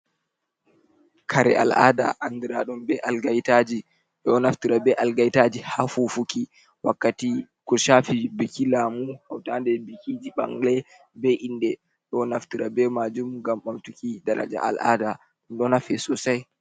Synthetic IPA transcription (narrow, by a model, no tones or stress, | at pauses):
kʰaɾɛ̰ʔa̰lʔa̰da̰ʔandiɾaɗumbɛʔalɡajtad͡ʒi | ɗɔnaftiɾabɛʔalɡajtad͡ʒihafufuki | wakːati | kɔʃafibikilamuhawtandɛbikid͡ʒiɓa̰ŋlɛ | bɛʔindɛ | ɗɔnaftiɾabɛmad͡ʒumɡamɓamtukidaɾa̰d͡ʒa̰ʔa̰lʔa̰da | ɗnɗɔnafɛsɔsaj